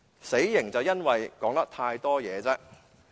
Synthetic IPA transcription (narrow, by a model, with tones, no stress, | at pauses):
se˨˥jjɪ˨˩ŋt͡sɐ˨wjɐ˥nwɐ˨jkɔː˨˥ŋt̪ɐ˥k̚t̪ʰaː˧jt̪ɔː˥jɛː˨˧t͡sɛː˧